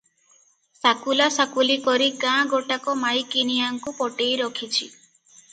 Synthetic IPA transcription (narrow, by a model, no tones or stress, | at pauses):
sakulasakulikɔɾikãɡoʈakɔmajkinijaŋkupɔʈejɾɔkʰit͡ʃʰi